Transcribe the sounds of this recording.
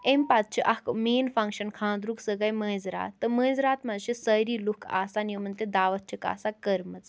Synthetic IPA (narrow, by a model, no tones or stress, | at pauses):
emʲpat̪̚t͡ʃʰiʔɐkmeːnfɐŋkʃɐnkʰãːnd̪ɾuksəɡɐjmə̃ːzɾa̰ːt̪ːɨmə̃ːzɾaːt̪mɐzt͡ʃʰisəɾiːlukʰa̰ːsaːnjumɐnt̪ed̪aːʋɐt̪̚t͡ʃʰika̰ːsakəɾmɐt͡s